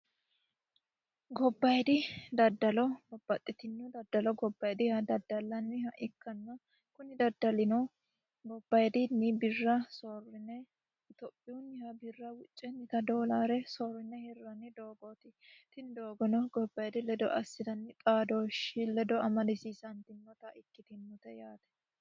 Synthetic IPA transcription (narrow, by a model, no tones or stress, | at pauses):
ɡɔbːɐjd̪ɪd̪ɐd̪ːɐlɔbɔb̥ːɐt̪ʼːɪt̪ɪnːʊd̪ɐd̪ːɐlɔɡɔbːɐjd̪ɪhɐd̪ɐd̪ːɐlːɐnːɪhɐʔɪkːɐnːɐ | kʊnɪd̪ɐd̪ːɐlɪnɔ | ɡɔbːɐjd̪ɪnɪbɪrːɐsorɪnːɛ | ɪt̪ɔpʼːɪjʊnːɪhɐbɪrːɐwʊt͡ʃʼːɛnːɪt̪ɐd̪oːlaːɾɛsoɾɪnːɛhɛrːɐnɪd̪oːɡɔt̪ɪt̪ɪnd̪oːɡɔnɔɡɔbːɐjd̪ɪlɛd̪ɔ̰ʔɐsːɪd̪ɐnːɪt̪ʼaːd̪oʃɪlɛd̪ɔɐmɐd̪ɪsiːsɐnt̪ɪnːɔt̪ɐɪkːɪt̪ɪnːɔt̪ɛjaːt̪ɛ̥